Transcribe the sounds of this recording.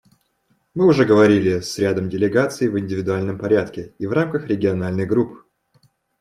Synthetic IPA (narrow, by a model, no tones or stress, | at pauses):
mɨʊʐɛɡəvɐɾʲilʲɪsʲɾʲad̪əmdʲɪlʲɪɡat̪sɨɪːvɪnʲdʲɪvʲɪd̪ʊalʲnəmpɐɾʲat̪kʲɪivramkəxɾʲɪɡʲɪɐnalʲnɨɣɡɾup